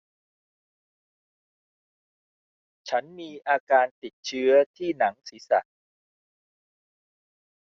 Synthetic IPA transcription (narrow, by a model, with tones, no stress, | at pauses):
t͡ɕʰa˦˥nmiː˧ʔaː˧kaː˧nt̪i˨˩t̪̚t͡ɕʰɯ˦˥ɐt̪ʰiː˥˩na˩˦ŋsiː˩˦sa̰˨˩ʔ